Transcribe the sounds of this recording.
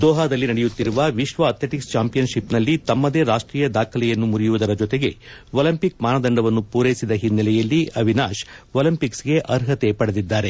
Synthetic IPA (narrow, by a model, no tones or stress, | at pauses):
d̪ɔːɦaːd̪ɐlːinɐɽɛjut̪ːiɾuʋɐʋiʃʋɐːt̪leʈikst͡ʃaːmpijɐnʃipnɐlːit̪ɐmːɐd̪e̞ːɾaːʂʈɾiːjɐd̪aːkʰɐlɛjɐnːumuɾijuʋud̪ɐɾɐd͡ʒɔt̪eɡe̞ʋoːlɐmpik̚maːnɐd̪ɐɳɖɐʋɐnːupuːɾejsid̪ɐɦinːɐlɛjɐlːiɐʋinaːʃoːlɐmpiksɡe̞ʔɐɾɦɐt̪e̞pɐɽed̪id̪ːaːɾe̞